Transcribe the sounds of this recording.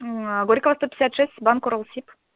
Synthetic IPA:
ɡoɾʲikovɐst̪opʲɪ̥sʲat̪ʂɛsʲt̪ʲbankoɾolˠsʲip

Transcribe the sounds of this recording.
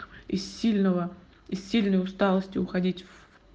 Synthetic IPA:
ɪsʲilʲnəvə | ɪssʲilʲnəjʊst̪alˠəsʲtʲɪʊxɐdʲitʲv

